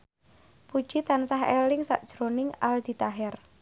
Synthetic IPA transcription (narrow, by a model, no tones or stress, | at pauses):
pud̥ʒ̥it̪ansaɦḛlɪŋsa̰ʔd̥ʒ̥ɾonɪŋald̪̥i̤t̪aɦɛr